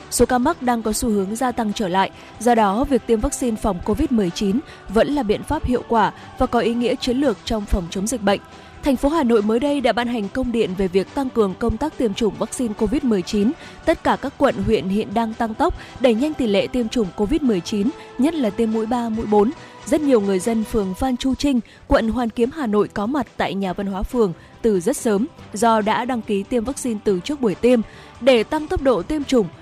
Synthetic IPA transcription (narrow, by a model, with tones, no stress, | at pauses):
so˨˦kaː˧ma˦˥k̚ɗaː˧ŋkɔ˨˦su˧hɨ˨˦əŋzaː˧t̪a˧ŋt͡ɕəː˧˩la̰ː˧˨jʔ | zɔ˧ɗɔ˨˦vi˨˩ək̚t̪i˧əmvaː˦˥k̚si˧nfɔ˨˩wŋ͡mko˧vi˦˥t̚mɨ˨˩əjt͡ɕi˨˦n | və̰˧˥nlaː˨˩ɓḭ˧˨ənfaː˦˥p̚hḭ˧˨əwkwaː˧˩ | vaː˨˩kɔ˨˦ʔi˨˦ŋḭ˧˥ət͡ɕi˨˦nlɨ˨˩ək̚t͡ɕɔ˧wŋ͡mfɔ˨˩wŋ͡mt͡ɕə˨˦ŋ͡mzï˨˩k̟̚ɓə̰˧˨jŋ̟ | t̪ʰɛ˨˩jŋ̟fo˨˦ɦaː˨˩no̰˧˨jməː˨˦jɗə˧jɗa̰ː˧˥ɓaː˧nɦa˨˩jŋ̟kə˧wŋ͡mɗḭ˧˨ənve˨˩vi˨˩ək̚t̪a˧ŋkɨ˨˩əŋkə˧wŋ͡mt̪aː˦˥k̚t̪i˧əmt͡ɕʊ˧˩ŋ͡mvaː˦˥k̚si˧nko˧vi˦˥t̚mɨ˨˩əjt͡ɕi˨˦n | t̪ə˦˥t̚kaː˧˩kaː˦˥kːwə̰˧˨nɦwḭ˧˨ənhḭ˧˨ənɗaː˧ŋt̪a˧ŋt̪ə˦˥k͡p̚ɗe˧˩ɲa˧jŋ̟t̪i˨˩lḛ˧˨t̪i˧əmt͡ɕʊ˨˩ŋ͡mko˧vi˦˥t̚mɨ˨˩əjt͡ɕi˨˦n | ɲə˦˥t̚laː˨˩t̪i˧mːṵ˧˥jɓaː˧mṵ˧˥jɓo˨˦n | zə˦˥t̚ɲi˨˩əwŋɨ˨˩əjzə˧nfɨ˨˩əŋfaː˧nt͡ɕu˧t͡ɕï˧ŋ̟ | kwə̰˧˨nɦwaː˨˩nki˨˦əmɦaː˨˩no̰˧˨jkɔ˨˦ma˨˩t̚t̪a̰ː˧˨jɲaː˨˩va˧nɦwaː˨˦fɨ˨˩əŋ | t̪ɨ˨˩zə˦˥t̚səː˨˦mzɔ˧ɗa̰ː˧˥ɗa˧ŋki˨˦t̪i˧əmvaː˦˥k̚si˧nt̪ɨ˨˩t͡ɕɨ˦˥ək̚ɓu˧˩əjt̪i˧əm | ɗe˧˩t̪a˧ŋt̪ə˦˥p̚ɗo̰˧˨t̪i˧əmt͡ɕʊ˨˩ŋ͡m